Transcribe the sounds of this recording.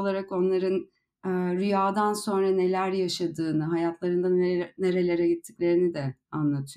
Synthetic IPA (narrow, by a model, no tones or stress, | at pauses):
lˠaɾako̞nlˠaɾɯn | ɯɾyjaːd̪anso̞nɾane̞lʲæɾjaʃad̪ɯːnɯɦajat̪ʰlˠaɾɯnd̪ane̞ɾe̞lʲe̞ɾɛɟit̪ʰːiclʲe̞ɾinid̪ɛanlˠat̪ʰɯj